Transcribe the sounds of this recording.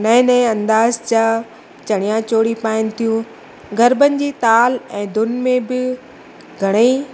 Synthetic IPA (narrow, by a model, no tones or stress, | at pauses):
nɐ̃ɪ̃nɛ̃ːɐ̃nd̪aːzt͡ɕa | t͡ɕɐɽ̃ijãt͡ɕoːɽipaːɪnɪ̆t̪ʰijũ | ɡʱɐɾbənɪ̆d͡ʑiːt̪aːlɛ̃ːd̪ʊnmẽbɪ | ɡʱɐɽ̃ei